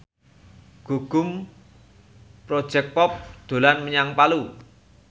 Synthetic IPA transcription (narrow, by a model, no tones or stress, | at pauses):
ɡ̥o̤ɡ̥ʊ̤m | pɾod̥ʒ̥ɛk̚pɔp̚d̪̥o̤lanməɲaŋpalu